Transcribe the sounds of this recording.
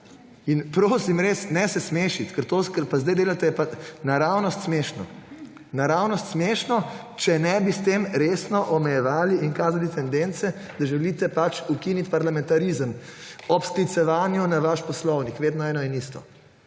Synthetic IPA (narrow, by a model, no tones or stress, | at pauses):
inpɾoːsimɾeːsnɛsɛsmeːʃit̪kɛɾt̪okɛɾpazd̪ajd̪eːlat̪ɛjɛpanaɾawnɔst̪smeːʃnɔ | naɾawnɔst̪smeːʃnɔ | t͡ʃɛnɛbist̪emɾesnɔʔɔmɛjɛʋaːliiŋkaːzalit̪ɛnd̪ent̪sɛ | d̪̥aʒɛliːt̪ɛpat͡ʃukinit̪paɾlamɛ̃nt̪aɾizəmɔpsklit̪sɛʋaːnjunaʋaʃpɔslɔwnikʋeːd̪nɔɛːnɔɛnist̪ɔ̰